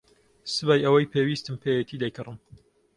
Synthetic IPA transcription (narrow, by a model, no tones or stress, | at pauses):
sɨbaːjʔɐwɐjpʰeːwiːst̪ɨmpʰejɛt̪ʰid̪ɐjkɨrɨm